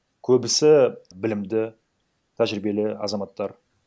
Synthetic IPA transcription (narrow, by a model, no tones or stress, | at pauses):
kʲʰɵbɪsɪbɪlɪmd̪ɪ | t̪ʰæʒɾɪbe̞lɪɑ̰zɑmɑt̪ːɑɾ